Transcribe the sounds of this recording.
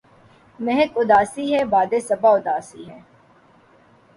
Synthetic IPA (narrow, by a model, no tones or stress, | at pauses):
mɛɦəkʊd̪aːsiːɦɛːbaːd̪eːsɐbaːʊd̪aːsḭːɦɛː